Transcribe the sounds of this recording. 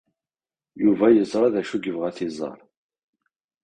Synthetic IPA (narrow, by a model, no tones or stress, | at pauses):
juvæjəzˤɾˤɑðæʃuɡəvʁæθɪzˤɑ̰ɾˤ